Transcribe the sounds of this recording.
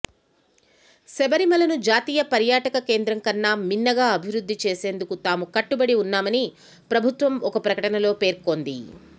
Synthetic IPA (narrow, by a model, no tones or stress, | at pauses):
sɛbɐɾimɐlɐnud͡ʒaːt̪iːjɐpɐɾjaːʈɐkɐke̞ːnd̪ɾɐŋkɐnːaːminːɐɡaːɐbʱiʋɾud̪ʱːit͡ʃe̞ːse̞ːnd̪ukut̪aːmukɐʈːubɐɽiunːaːmɐni | pɾɐbʱut̪ʋɐmɔkɐpɾɐkɐʈɐnɐlo̞ːpe̞ːɾko̞ːnd̪ḭ